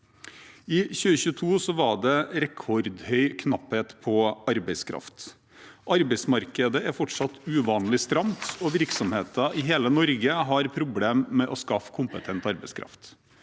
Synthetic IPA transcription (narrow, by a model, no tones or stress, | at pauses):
ɪçʉːəçʉːt̪ʰuːsɔʋɑɖɛɾɛkʰɔɾd̪hœʏkʰnɑpheːt̪pʰɔɑɾbæɪskʰɾɑ̰ft̪ | ʔɑɾbæɪsmɑɾkəd̪əʔæɾfɔʈʂɑt̪ʉːʋɑːnlɪst̪ɾɑmt̪ɔʋɪɾksɔmheːt̪ɑʔɪɦeːlənɔɾɡəɦɑɾpʰɾʊbleːmːɛʔɔskɑfkʰʊmpət̪ʰɛnt̪ɑɾbɛɪskʰɾɑ̰ft̪